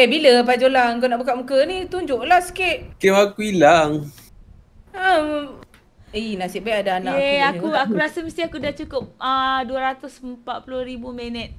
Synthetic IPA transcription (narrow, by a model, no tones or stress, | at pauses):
ɛbiləp̬ad͡ʒolaŋkonaʔbuk̬aʔmukənit̪uɲd͡ʒoʔlahskeʔkewakuilaŋ | inasiʔ̚baiʔadaːnaʔeakuakuɾasəmist̪ihakudaht͡ʃukʊp̚əduəɾat̪ʊsəmpat̪̚pulʊhɾibumɛnɛt̪̚